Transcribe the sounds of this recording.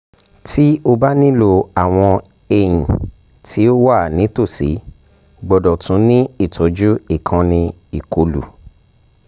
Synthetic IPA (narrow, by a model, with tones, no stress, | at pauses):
tʰi˦o˧ba˦nĩ˦lo˧a˦˨w̃ɔ̃˧ | e˧jĩ˨ | tʰi˨˦o˦wa˦˨nĩ˨˦to˦˨si˨˦ | ɡ͡bɔ˨dɔ˨tũ˨˦nĩ˦i˦˨tʰo˨˦d͡ʒu˦i˦˨kʰã˧nĩ˧ | i˨ko˨lṵ˨